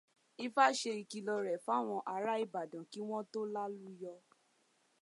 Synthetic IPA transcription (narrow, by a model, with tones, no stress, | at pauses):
i˦fa˦˨ʃe˧i˧ki˧lɔ˧ɾɛ˨fa˦˨w̃ɔ̃˧ʔa˧ɾa˦i˨ba˨dã˨ki˨˦w̃ɔ̃˦to˦la˦lu˦jɔ˧